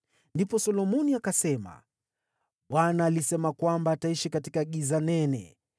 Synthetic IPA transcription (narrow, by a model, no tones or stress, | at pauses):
ndipɔsɔlɔmɔniakasɛma̰ | ɓwanaːlisɛmakwambaːtaiʃikatikaɠizanɛnɛ̰